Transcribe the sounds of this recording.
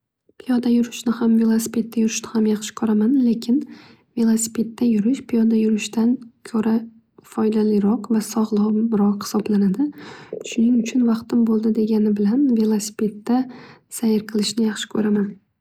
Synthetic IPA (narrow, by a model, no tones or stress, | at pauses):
pʰijɒd̪ajʊɾɪʃnɪhamve̞lˠosi̥pʰe̞t̪̚ːajʊɾɪʃnɪhamjɑχʃɪ̥kʰɵɾamanle̞kʲʰɪn | ve̞lˠosi̥pʰe̞t̪ːajʊɾɪʃpʰijɒd̪ajʊɾɪʃt̪ʰankʰɵɾʔa | fɒjd̪alɪɾɒqvasɒʁlˠɒɾɒqhɪ̥sɒblanad̪ɪʃʊnɪŋʊt͡ʃʰʊnvɑqt̪ɪmbolˠd̪ɪd̪e̞ɡʲanɪbɪlanve̞lˠosi̥pʰe̞t̪ːasajɪɾqʰɨlˠɪʃnɪjɑχʃɪ̥kʰɵɾaman